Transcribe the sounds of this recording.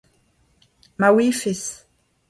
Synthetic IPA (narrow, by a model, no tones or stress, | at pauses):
mawifɪs